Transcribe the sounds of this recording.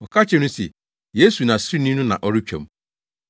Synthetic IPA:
ɔ˨ka˦t͡ɕɛ˨nʊ̃˦sḛ˨ | jeː˦su˨nã˨sɾi˦nĩ˦nũ˦nã̰˨ʔɔ˦ɾɪ˦t͡ɕᶣḛ˨m̩˦

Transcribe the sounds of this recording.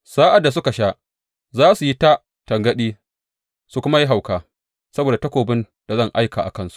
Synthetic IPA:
saː˦ʔa˨dːa˨s̬ʊ˦ka˨ʃa˦ʔ | zaː˦su˨ji˦ta˦ | tɐ˨ŋɡɐ˦ɗiː˦ | su˨kʷʊ˦ma˦ji˦ɦa˨wkaː˦ | sɐ˦boː˨da˨tɐ˦kʷoː˨bɪ˦n | d̥a˨zɐ˦ŋʔa˦jka˨ʔa̰˨kɐ˦nsu̥˦ʔ

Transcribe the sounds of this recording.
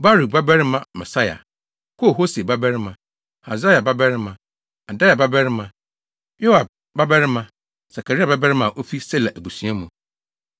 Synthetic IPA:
ba˦ɾu˨ba˦bɛ˦ɾɪ˦mã˦mɛ˨sa˦ja̰˨ | kʰo˦˨ɦo˦se˨ba˦bɛ˦ɾɪ˦mã˨ | ha˨za˦ja˨ba˦bɛ˦ɾɪ˦mã˨ | a˨da˦ja˨ba˦bɛ˦ɾɪ˦mã˨ | jo˦wa˨b̚ | ba˦bɛ˦ɾɪ˦mã˨ | sa˨kʰa˨ɾa˨ba˦bɛ˦ɾɪ˦mã˨ʔo˦fi˦sɛ˦la˨ʔæ˨bu˨sũ˦a˦mũ˨

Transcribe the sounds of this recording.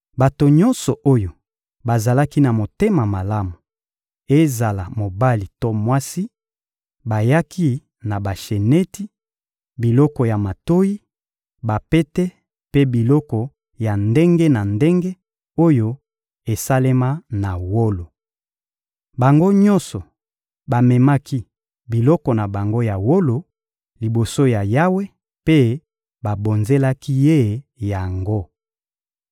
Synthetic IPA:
ba˨to˨ɲɔ˦nsɔ˨ʔo˦jo˨ | ba˨za˨la˦ki˦na˨mo˨te˦ma˨ma˨la˦mu˨ | e˦za˨la˨mo˨ba˦li˨to˦mwa˦si˦ | ba˨ja˦kʰi˦ | na˨ba˨ʃe˨nɛ˦ti˦ | bi˨lɔ˦kɔ˨ja˨ma˨to˦ji˦ | ba˨pe˦te˦ | pe˦bi˨lɔ˦kɔ˨ | ja˨nde˦ŋɡe˦na˨nde˦ŋɡe˦ | o˦jo˦ | e˨sa˦le˦ma˦na˨wo˦lo˨ | ba˨ŋɡo˦ɲɔ˦nsɔ˨ | ba˨mɛ˨ma˦ki˦ | bi˨lɔ˦kɔ˨na˨ba˨ŋɡo˦ja˨wo˦lo˨ | li˨bo˨so˦ja˨ja˦we˦ | pe˦ | ba˨bo˨nze˦la˦ki˦je˦˨ja˨ŋɡo˦

